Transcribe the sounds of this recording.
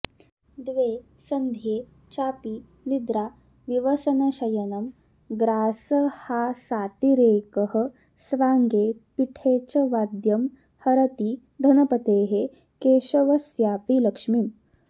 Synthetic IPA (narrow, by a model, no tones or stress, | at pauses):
d̪ʋeː | sɐnd̪ʱjeː | t͡ʃaːpi | nid̪ɾaː | ʋiʋɐsɐnɐʃɐjɐnɐm | ɡɾaːsɐhasaːt̪iɾeːkɐɦə̆ | sʋaːŋɡeːpiʈʰeːt͡ʃɐʋaːd̪jɐm | hɐɾɐt̪iː | d̪ʱɐnɐpɐt̪eːɦe | keːʃɐʋɐsjaːpilɐkʂmim